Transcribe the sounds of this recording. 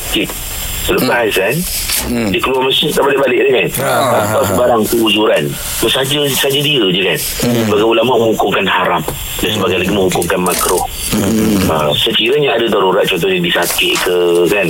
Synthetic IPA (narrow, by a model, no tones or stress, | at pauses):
kɪ | sələpaskan | dikəluarmasɪnt̪aʔbalɪʔbalɪʔdahkanat̪awsəbaɾaŋkəud͡ʒuɾan | t̪ʊsad͡ʒəsad͡ʒadiəd͡ʒəkan | baɡaulamaʔmə̃hukʊŋkanhaɾam | dansəbaɡajlaɡiməŋhukʊŋkanmakɾʊh | əsəkiɾaɲaadadaɾuɾaʔ̪̚t͡ʃɔnt̪̬ɔhɲadisakɪʔkəkan